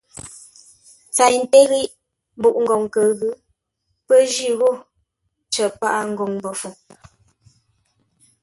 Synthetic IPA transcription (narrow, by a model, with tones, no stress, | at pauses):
t͡sa˨jn̩˨te˦ɣi˦ʔ | bu˦˨ʔŋ̩˨ɔ˨ŋkə˨ɣʉ˦ | pə˦d͡ʒi˦˨ɣo˦˨ | t͡ʃə˨pa˦ʔa˦˨ŋ̩˦ɡo˨ŋbɔ˨fu˨ŋ